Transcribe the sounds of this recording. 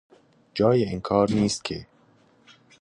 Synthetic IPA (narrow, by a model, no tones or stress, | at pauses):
d͡ʒɒːjeinkʰɒːɾniːst̪̚kʰe